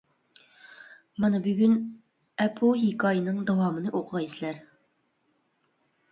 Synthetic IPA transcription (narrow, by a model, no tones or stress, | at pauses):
mɑnɑbyɡʲyn | ɛpʰuɦikɑjənɨŋd̪ɑwɑmənɨʔoqʰəʁɑjslæɾ